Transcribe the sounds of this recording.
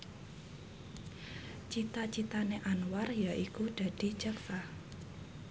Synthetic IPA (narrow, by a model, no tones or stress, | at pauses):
t͡ʃit̪at͡ʃit̪aneʔanwarjaʔikud̪̥a̤d̪̥i̤̥d͡ʒəksah